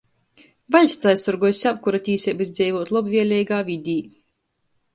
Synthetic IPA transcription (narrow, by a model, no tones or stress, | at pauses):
valʲsʲt̪sajsɔɾɡɔjsʲabkuɾat̪ʲiːsʲɛbɨsd̪zʲɛjvɔɔt̪lˠɔbvʲiɛlʲɛjɡaːvʲid̪ʲiː